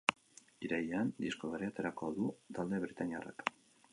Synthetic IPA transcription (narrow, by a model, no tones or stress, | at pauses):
iɾajeand̪iskoβeɾiat̪e̞ɾako̞aðut̪ald̪e̞βɾit̪ania̰ra̰k